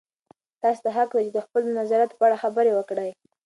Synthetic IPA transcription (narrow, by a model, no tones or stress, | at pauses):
t̪ɑse̥t̪aɦakd̪at͡ʃed̪əxpələnazɑɾat̪o̥pəaɽaxabəɾewəkɽaj